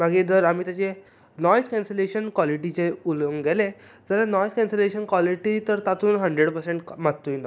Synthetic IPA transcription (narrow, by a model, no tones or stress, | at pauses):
maɡiːd̪əɾamiːt̪jat͡ɕe | nɔjskɛ̃nseleɕənkwaliʈ̬it͡ɕeuləŋɡɛle | d͡zəlanɔjskɛ̃nseleɕənkwɔliʈit̪əɾt̪at̪ʰuːnɦəɳɖɾeɽpəɾseɳʈmatt̪ːoind̪ɔ